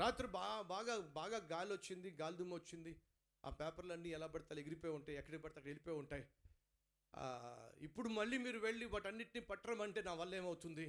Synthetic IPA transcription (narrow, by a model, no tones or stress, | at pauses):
ɾaːt̪ɾubaːbaːɡaːbaːɡaːɡaːlot͡ʃːind̪iɡaːld̪umɐɐt͡ʃːind̪i | a̰ːpaːpɐɾlɐnːiːɛlaːpɐɽɐt̪aːleɡiɾipoːjuɳʈaːjɛkːɐɽipɐɽɐt̪aɐkːɐɽelipoːjuɳʈaːj | ipːuɽumɐɭːiːmiːɾuʋe̞ɭːiʋaːʈɐnːiʈ̚niːpɐʈːɐɽɐmɐɳʈe̞ːnaːʋɐlːɐe̞ːmɐwut̪und̪i